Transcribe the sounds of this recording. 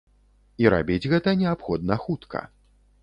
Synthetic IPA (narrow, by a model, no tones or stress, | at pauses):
iɾa̰bʲid͡zʲɣɛt̪ɐnʲɛapxɔd̪̚nɐxut̪kʰɐ̰